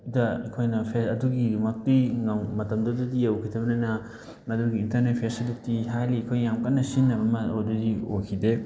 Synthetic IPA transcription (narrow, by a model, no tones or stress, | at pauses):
dɐɐkʰojnɐpʰeɐduɡimɐk̚tiŋɐwmɐtɐmdɐdudijɐwkʰitʰɐbɐnɐnɐ | mɐduɡiːntɐɾnet̚pʰesɐduk̚tiɦajliɐkʰojːamkɐnːɐsinːɐbɐmɐodudiokʰide